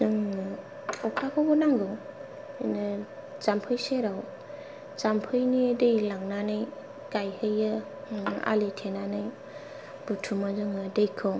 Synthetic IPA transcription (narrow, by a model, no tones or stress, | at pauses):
ɯŋ | ɔkʰakʰabɔnaŋɡɔ | nɯ | t͡ʃampʰɯjseɾaw | t͡ʃampʰɯjnidɯjlaŋnanɯj | kajhɯjɯ | a̰letʰenanɯj | b̥utʰumazɯŋɯdɯjkʰɔ